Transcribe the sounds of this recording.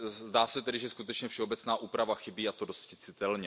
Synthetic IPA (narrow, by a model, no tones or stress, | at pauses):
zdaːsɛt̪ɛdɪʒɛskut̪ɛt͡ʃɲɛfʃɛo̞bɛt͡snaːʔuːpɾavaxɪbiːat̪odoscɪt͡sɪt̪ɛlɲɛ